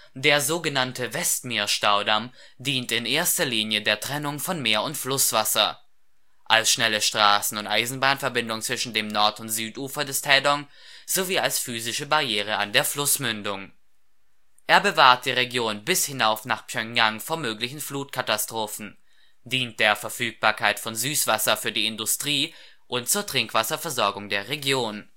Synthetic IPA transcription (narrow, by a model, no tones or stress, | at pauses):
d̥eːɐzoːɡənantʰəvɛstmiːɐʃtaʊdam | diːntɪnʔeːɐstɐliːnjədeːɐtʁ̥ɛnʊŋfɔnmeːɐʊntflʊsv̥asɐ̰ | ʔalsʃnɛləʃtʁ̥aːsn̩ʊntʔaɪzn̩baːnfɛɐbɪndʊŋt͡sv̥ɪʃn̩deːmnɔɐtʊntz̥yːtʔuːfɐdɛstʰɛːdɔŋ | z̥oviːalsfyːzɪʃəbaʁjeːʁ̞əa̰ndeːɐflʊsmʏndʊŋ | ʔeːɐbəvaːɐt̚d̥iːʁeɡjoːnbɪshɪnaʊfnaːχpʰjœŋjaŋfoːɐmøːklɪçn̩fluːtkʰatastʁ̥oːfn̩ | d̥iːnt̚d̥eːɐfɛɐfyːk̚b̥aːɐkʰaɪtfɔnzyːsv̥asɐfyːɐdiːɪndʊstʁ̥iː | ʔʊnt̚t͡suːɐtʁ̥ɪŋkv̥asɐfɛɐzɔɐɡʊŋdeːɐʁeɡjoːn